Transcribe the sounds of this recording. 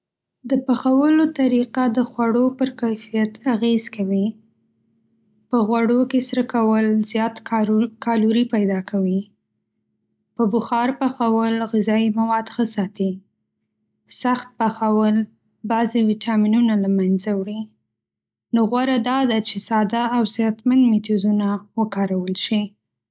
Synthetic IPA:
d̪əpaxawəlot̪aɾiqad̪əxwaɽopəɾkajfijat̪aɣez̥kawi | pəɣwaɽokesɾəkawəlzjɑt̪kɑluɾipajd̪ɑkʰawi | pəbʊxɑɾpaxawəlɣɪzɑimawɑd̪xəsɑt̪i | saxt̪̚paxawəl | bɑzewiʈɑminunalamanzawɽi | noɣwaɾad̪ɑd̪at͡ʃesɑd̪aːwzjɑt̪mand̪met̪ud̪unawəkɑɾawəlʃi

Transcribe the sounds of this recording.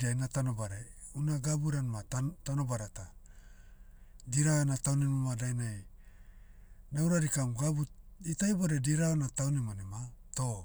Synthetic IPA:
diajnatanobaɾeunaɡabuɾanmattanobaɾata | diɾanatawnimomadajnaj | nawɾaɾikamɡabuitajboɾediɾaonatawnimonemato

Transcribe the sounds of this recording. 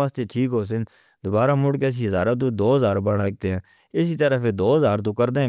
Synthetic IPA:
aːst̪eːʈʰiːkɦoːs̬ɪ̃n | d̪ʊbaːɾaːmʊɽkɛːs̬iːɦəzaːɾat̪õːd̪oːəzaːɾbəɽək̚t̪eɦɛ̃ː | ɪsiːt̪əɾəfed̪oːəzaːɾt̪õːkəɾd̪ẽ

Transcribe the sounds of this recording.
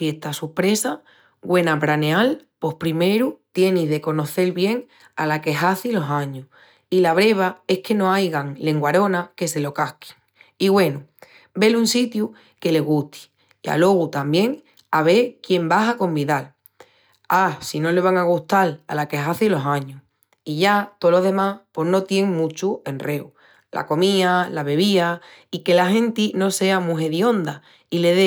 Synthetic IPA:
je̞ht̪asupɾe̞sa | ɡwe̞napɾaneal | po̞hpɾime̞ɾut̪je̞niðe̞ko̞no̞θe̞lβje̞ŋ | alake̞ɦaθilo̞sãɲu | ilaβ̞ɾe̞β̞ae̞hke̞no̞ajɣaŋle̞ŋɡwaɾo̞nake̞se̞lo̞kahki̥ŋ | iɣwe̞nu | be̞lunsit̪ju | ke̞le̞ɣ̞uht̪i̥ | ia̰lo̞ɣ̞ut̪ambje̞ŋ | aβ̞e̞ɾkje̞mbaɦako̞mbiðal | asino̞le̞β̞aŋaɣ̞uht̪ala̰lakeɦaθilo̞sãɲuh | iʝat̪olo̞ɦðe̞mahpo̞hno̞t̪je̞ŋmũt͡ʃue̞nre̞u | lʔa̰ko̞mialaβe̞βia | ike̞laɦẽ̞nt̪ino̞se̞amuɦe̞ðio̞nd̪a | ile̞ðe

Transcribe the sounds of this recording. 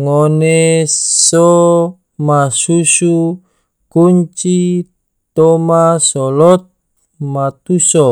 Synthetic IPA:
ŋɔnesɔ | masusu | kuɲt͡ʃi | t̪ɔmasɔlɔt̪̚ | mat̪usɔ

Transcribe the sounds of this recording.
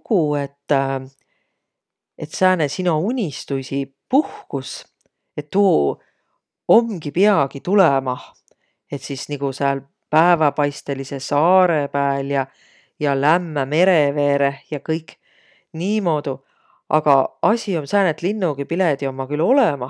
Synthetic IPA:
kue̞t̪ː | e̞t̪sæːnesinounʲist̪usi | puhkus | e̞t̪ːu | omːɡ̥ipiɑɡ̥it̪ulemɑ | e̞t̪sisniɡuseæl | pæevɑpɑjst̪e̞lise̞sɑːɾepæːljɑ | jɑlæmːæme̞ɾeve̞ːɾe̞jɑkɤjkːˑ | niːmo̞ːd̪̥u | ʔɑ̰ɡ̥ɑɑsʲio̞msæːnet̪ːˑlinːuɡ̥ipiled̪io̞mːɑkylo̞lemɑ

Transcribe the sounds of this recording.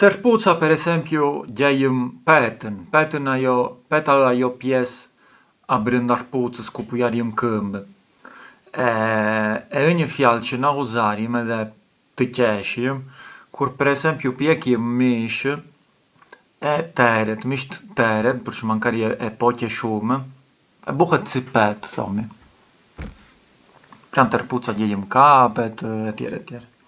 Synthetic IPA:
t̪əɾput͡sapɛɾɛsɛmpjuɟɛjəmpɛt̪ənpɛt̪ənajɔpɛt̪aajɔpjɛs | abɾənd̪aɾput͡səskupujaɾjəmkəmb | ɛ | ɛəɲəfjalt͡ɕənauzaɾjəmɛðɛ | t̪əcɛʃjəmkʰuɾpɛɾɛsɛmpjupjɛkjəmːiʃ | ɛt̪ɛɾɛt̪miʃt̪ə̥t̪ɛɾɛt̪̚pəɾʃəmaŋkaɾiɛʔɛpɔcɛʃumɛ | ɛ̰buhɛt̪t͡sipɛt̪θɔ̰mi | pɾant̪ɛɾput͡saɟɛjəmkapɛt̪ɛt̪jɛ̰ɾɛ̰t̪ːjɛɾɛ

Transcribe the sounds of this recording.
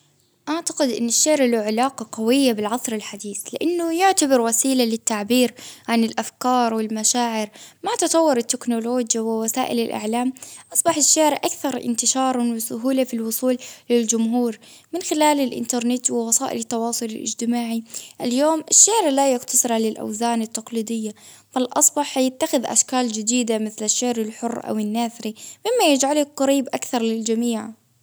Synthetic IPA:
ʔaʕt̪ḁqɪd̪ʔɪ̰nːɪʃːaʕɾaluʕɪlaːqɑqawɪjːabɪlʕɑsˤɾɪlħad̪iːθlɪʔanːʊjʊʕt̪abɪɾwasiːlalɪt̪ːaʕbiːɾʕanɪlʔafkɑːɾˤwɪlmaʃaːʕɪɾmat̪ɨt̪ˤɑwːɪɾɪt̪ːɪknʊloːd͡ʒjawɪwasaːʔɪ̰lɪlʔa̰ʕlaːmʔɑsˤbɑħɪʃːaːʕɾʔakθɑɾˤʔɪ̰nt̪ɪʃɑːɾˤɑnwɪsʊɦuːlafilwʊsˤuːlːɪld͡ʒʊmɦuːɾ | mɪnxɪlaːlalʔɪ̰nt̪ɑɾˤnɪt̪wɪwɑsɑːʔɪ̰lt̪ːɑwɑːsˤʊlɪlʔɪ̰d͡ʒt̪ɪmaːʕiʔaljoːmʔɪʃːaːɾlajʊqt̪ɑsˤɨɾalɪlʔa̰wzaːnɪt̪ːɑqliːd̪ɪjːa | falʔɑsˤbɑħjɪt̪ːaxɪðʔa̰ʃkaːld͡ʒɪd̪iːd̪amɪθlaʃːaʕɾɪlħʊrːʔa̰wɪnːaθɾimɪmːajɪd͡ʒʕalaqɑɾiːbʔakθɑɾˤlɪld͡ʒamiːʕ

